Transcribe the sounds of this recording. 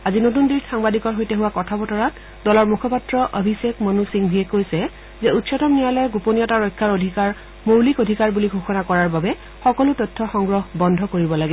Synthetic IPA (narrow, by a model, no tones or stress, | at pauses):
azinot̬undiɹxaŋbadikɔɹɦojteɦʊwakɔtʰabɔtɔɹat | dɔlɔɹmukʰɔpatɹɔʔobʱisekmɔnusiŋbʱiɛkojsɛ | zɛutsɔtɔmnijalɔɛɡuponijɔtaɹojkʰːaɹodʱikaɹ | mowlikodʱikaɹbuliɡʱoxɔnakɔɹaɹbabɛ | xɔkɔlʊtɔjtʰːɔxɔŋɡɹɔɦbɔndʱɔkoɹibɔlaɡɛ